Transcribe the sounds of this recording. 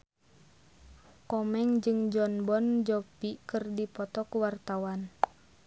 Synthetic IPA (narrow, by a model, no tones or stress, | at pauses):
kɔmɛŋd͡ʒɨŋd͡ʒɔnbɔnd͡ʒɔpikɨrdipɔt̪ɔkuwart̪awan